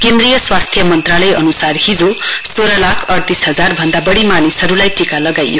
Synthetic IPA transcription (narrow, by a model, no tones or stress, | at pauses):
kend̪rijʌswast̪ʰjʌmʌnt̪ralʌjʔʌnusarɦid͡zosoɾʌlakʰʌrt̪isɦʌd͡zarbʱʌnd̪abʌɽimanisʌɾulajʈikalʌɡajjo